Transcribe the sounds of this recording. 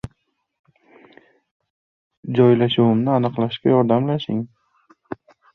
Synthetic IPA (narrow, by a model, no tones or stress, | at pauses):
d͡ʒɒjlaʃʊwɪmnɪanɨqlˠaʃkʲajɒɾd̪amlaʃɪŋ